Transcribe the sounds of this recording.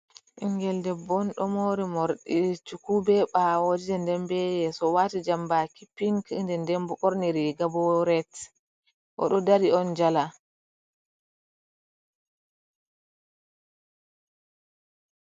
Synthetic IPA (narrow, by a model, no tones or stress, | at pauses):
ʔiŋɡɛldɛbɔnɗɔmoɾimɔɾɗit͡ʃukubɛɓawod͡ʒid͡ʒɛndɛmbɛjɛsɔwatid͡ʒambakipːiŋkndɛndɛmbɔʔɔɾniɾiɡabɔɾɛt | ʔɔ̰ɗɔdaɾiɔnd͡ʒala